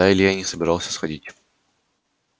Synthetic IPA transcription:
ajɪlʲɪjanʲɪsəbʲɪɾɑlˠsʲə̥sxɐdʲitʲ

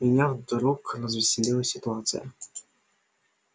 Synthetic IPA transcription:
mʲɪnʲavd̪ɾukrəzvʲɪsʲɪlʲilˠəsʲɪt̪ʊat̪sɨ̰jə̰

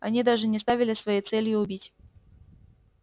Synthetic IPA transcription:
ɐ̰nʲid̪aʐɨnʲɪst̪avʲɪlʲɪsvɐjejt̪sɛlʲjʊʊbʲitʲ

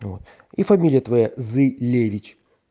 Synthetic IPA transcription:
vo̰t̪ | ifɐmʲilʲɪjət̪vɐjazɨlʲevʲɪt͡ɕ

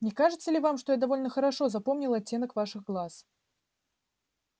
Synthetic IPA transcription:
nʲɪkaʐɨt̪sːəlʲɪvamʂt̪ojad̪ɐvo̞lʲnəxəɾɐʂo̞zɐpo̞mnʲɪlˠɐtʲːe̞nəkvaʂɨɣɡlˠas

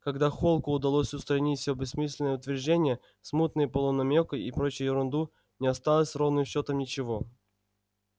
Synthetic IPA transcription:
kɐɡd̪axolˠkʊʊd̪ɐlˠosʲʊst̪ɾɐnʲitʲsʲobʲɪsmɨsʲlʲɪnəjəʊt̪vʲɪrʐdʲenʲɪjə | smut̪nɨjəpəlˠənɐmʲokɨipɾot͡ɕɪjəjɪɾʊnd̪u | nʲɪɐst̪alˠəsʲrovnɨmɕːo̞t̪əmnʲɪt͡ɕɪvo̞

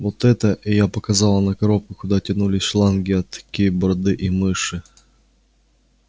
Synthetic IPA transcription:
vot̪ɛt̪əʔɪjapɐkɐzɑlˠənɐkɐɾop̚kʊkʊd̪atʲɐnulʲɪsʲʂlˠanɡʲɪɐt̪ːɐ̥kʲijəbɾɐd̪ɨʔimɨʂɨ

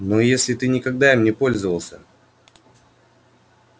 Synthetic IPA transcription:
nojesʲlʲɪt̪ɨnʲɪkɐɡd̪aɪmnʲɪpo̞lʲzəvəlˠsʲə

